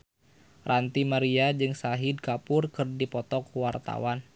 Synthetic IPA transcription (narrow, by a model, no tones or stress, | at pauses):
rʔant̪imaɾiad͡ʒɨŋsaɦid̚kapʊrkɨrdipɔt̪ɔkwart̪a̰wan